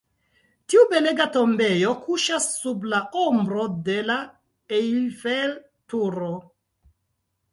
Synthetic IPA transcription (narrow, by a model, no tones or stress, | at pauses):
tiube̞leɡato̞mbe̞jo̞kʰuʃasːublaombɾo̞de̞la | ejlfel | tuɾo